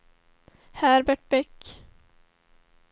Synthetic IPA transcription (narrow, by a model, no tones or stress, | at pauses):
hæɾbæʈ̚bɛkː